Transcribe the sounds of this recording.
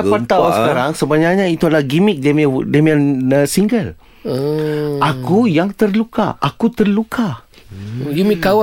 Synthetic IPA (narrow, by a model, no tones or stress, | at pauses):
pat̪aunsəkaɾaŋsəbaɲak̚ɲãit̪uadalahɡimik̚demdemiansiŋɡəl | ʔakujaŋt̪ərluka̰ʔakut̪ərlukʰa | jumĩkaw